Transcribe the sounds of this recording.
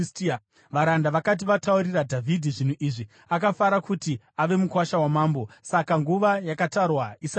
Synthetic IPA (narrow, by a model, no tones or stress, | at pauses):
ʋaɾandaʋakat̬iʋatauɾiradʱavʱidʱiʐin̤uʔiʐi | akafaɾakuti | aʋe̞mukwaʃawamaːmbo̞sakaŋɡuʋajakatarwaisa